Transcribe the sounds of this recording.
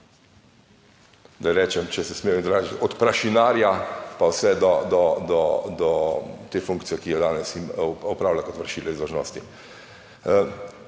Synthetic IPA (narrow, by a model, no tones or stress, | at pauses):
d̪ajɾɛːt͡ʃɛmt͡ʃɛsɛsmeːjɔid̪ɾaːʒiɔt̪pɾaʃinaːɾjapawsɛd̪ɔd̪ɔd̪ɔd̪ɔt̪eːfuŋkt̪sijɛkijɔd̪aːnɛsimɔpɾaːwlakɔt̪ʋəɾʃiːlɛizd̪ɔʒnɔ̰ːst̪i